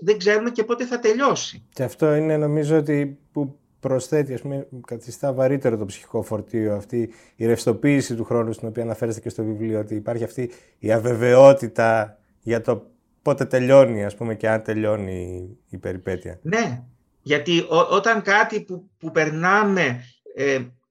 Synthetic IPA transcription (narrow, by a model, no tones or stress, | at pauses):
ðeɡze̞ɾume̞ce̞po̞t̪e̞θɐt̪e̞ʎo̞si̥ceɐft̪o̞ine̞no̞mizo̞ot̪̬ipu | pɾo̞sθe̞t̪iɐspumekɐθist̪ɐvɐɾit̪e̞ɾo̞t̪opsi̥çi̥ko̞fo̞ɾt̪ioɐft̪iː | ɾefst̪o̞piːsit̪uxɾo̞nust̪ino̞piɐːnɐfe̞ɾest̪ecest̪o̞vivlioot̪iːpɐɾçiɐft̪iː | ɐve̞ve̞o̞t̪it̪ɐ | ʝɐt̪o̞ | po̞t̪e̞t̪e̞ʎo̞niɐspume̞ce̞ɐnt̪e̞ʎo̞niːpe̞ɾipe̞t̪iɐ̰ne̞ | ʝɐt̪iʔoʔot̪ɐŋkɐt̪ipupupe̞ɾnɐme̞ | e